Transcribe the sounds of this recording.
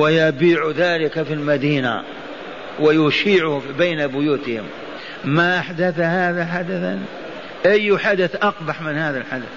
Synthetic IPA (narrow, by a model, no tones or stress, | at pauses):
wɪjabiːʕðaːlɪkafilmad̪iːna̰ | wɪjʊʃiːʕʊbeːnabʊjuːt̪ɪhɪ̰m | maʔaħd̪aθhaːðaħad̪aθa̰n | ʔajːħad̪aθʔɑqbaħmɪnhaːðalħad̪a̰θ